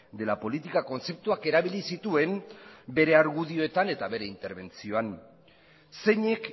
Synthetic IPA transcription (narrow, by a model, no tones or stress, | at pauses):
d̪e̞lapo̞lit̪ikako̞nt͡se̞p̚t̪uake̞ɾaβ̞ilisit̪ue̞mbe̞ɾe̞aɾɣuðio̞e̞t̪ane̞t̪aβe̞ɾe̞int̪e̞ɾβe̞nt͡sio̞an | se̞ɲe̞k